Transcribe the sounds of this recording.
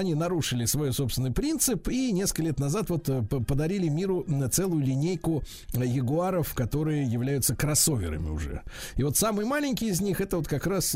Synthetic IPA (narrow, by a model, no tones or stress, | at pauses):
ɐnʲinɐɾuʂɨlʲɪsvɐjusopst̪vʲɪnːəjpɾʲint̪sɨpinʲeskəlʲet̪nɐzat̪vo̞t̪pəpəd̪ɐɾʲilʲɪmʲiɾʊt̪sɛlˠʊjʊlʲɪnʲejkʊ | jɪɡʊaɾəfkɐt̪o̞ɾɨjəjɪvlʲæjʊt̪səkɾɐso̞vʲɪ̰ɾə̰mʲɪ̰ʊ̰ʐɛ̰ɪvo̞t̪samɨjəmalʲɪnʲkʲɪɪzʲnʲixɛt̪əvot̪kɐkɾas